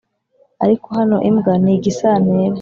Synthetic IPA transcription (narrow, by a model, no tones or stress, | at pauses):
aɾiko̞ɦano̞ʔimɡaniɡisaneɾe